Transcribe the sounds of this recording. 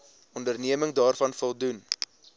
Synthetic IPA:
ɔndərniəməŋdɑːrfɐnfɔlˠdun

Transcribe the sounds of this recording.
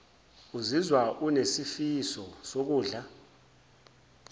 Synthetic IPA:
uzizwaʔunesifisɔsok̬uːɮa

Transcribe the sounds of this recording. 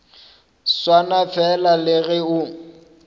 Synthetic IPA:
swanafɛlalɪɣɪʊ

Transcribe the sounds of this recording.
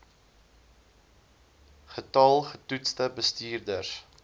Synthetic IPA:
χətɐlˠχətutstəbəstiːrdərs

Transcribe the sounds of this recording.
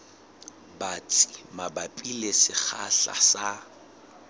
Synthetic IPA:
bat͡sʼi̥mabapʼilesɪk͡xʰaɬa̰sa

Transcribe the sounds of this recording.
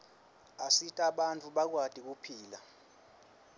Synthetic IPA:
asitʼaɓant͡fʰʼuɓak̬wad̥ʱʼik̬upʰiːla

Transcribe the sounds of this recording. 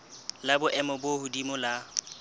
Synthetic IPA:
labʊʔɛmɔbohʊdimʊla

